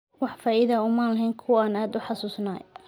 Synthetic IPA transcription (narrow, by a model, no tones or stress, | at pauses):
wɑħfaːʔɪðɐʊmaːnlɐɦɛːŋkʰʊwaːnaːd̪ʊħɑsuːsna̰ːj